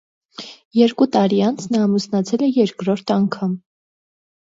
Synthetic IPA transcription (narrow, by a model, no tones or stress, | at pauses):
jɛɾkut̪ɑɾiɑnt͡sʰnɑːmusnɑt͡sʰɛlɛjɛɾkɾɔɾt̪ʰɑŋkʰɑm